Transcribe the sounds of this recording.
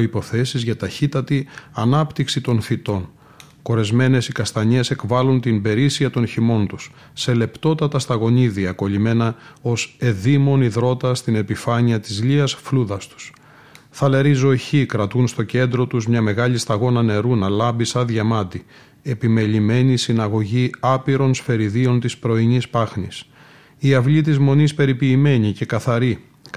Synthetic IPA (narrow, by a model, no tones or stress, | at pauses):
ipo̞θe̞sizʝɐt̪ɐçit̪ɐt̪iɐnɐpt̪iksit̪o̞nθit̪o̞n | ko̞ɾe̞zme̞ne̞sikɐst̪ɐɲe̞se̞kvɐlunt̪imbe̞ɾisiɐt̪o̞nçimo̞nt̪u̥sː | e̞le̞pt̪o̞t̪ɐt̪ɐst̪ɐɣo̞ɲiðiɐko̞ʎime̞nɐo̞se̞ðimo̞niðɾo̞t̪ɐst̪ine̞pifɐɲiɐt̪izʎiɐsfluðɐst̪u̥s | θɐlɐɾizo̞çikɾɐt̪unst̪o̞ce̞nd̪ɾo̞t̪uzmɲɐme̞ɣɐʎist̪ɐɣo̞nɐne̞ɾunɐlɐbisɐðʝɐmɐt̪i | e̞pime̞lime̞nisinɐɣo̞ʝiɐpiɾo̞nsfe̞ɾiðio̞nt̪ispɾo̞iɲispɐxnis | iɐvlit̪̬izmo̞nispe̞ɾipiːme̞ɲice̞kɐθɐɾi